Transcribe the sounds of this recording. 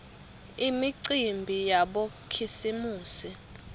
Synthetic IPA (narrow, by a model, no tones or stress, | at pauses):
imiǀimbʱijaɓo | kʰisimuːsi